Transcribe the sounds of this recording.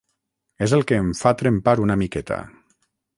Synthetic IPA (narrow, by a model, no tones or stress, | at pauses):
ezelˠkeːɱfat̪ɾempaɾunamikɛt̪ʰa̰